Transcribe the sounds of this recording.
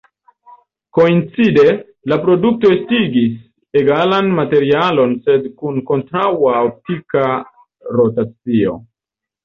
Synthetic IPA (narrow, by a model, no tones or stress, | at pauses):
ko̞int͡side̞ | lapɾo̞duk̚to̞estiɡis | e̞ɡalanmate̞ɾialo̞nse̞dkunko̞ntɾawaop̚tika | ɾo̞tat͡sio̞̰